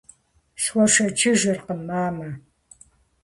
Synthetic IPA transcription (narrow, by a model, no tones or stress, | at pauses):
swʷɔʂɐt͡ʃʰɪʒɨrqəmːaːmɐ